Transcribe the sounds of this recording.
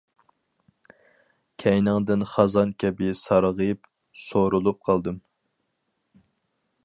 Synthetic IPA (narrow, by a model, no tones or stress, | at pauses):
kʲʰɛjnɨŋd̪ɪnχɑzɑnkʲʰɛbɪsɑɾʁəp | soɾulˠup̚qʰɑlˠd̪ɨm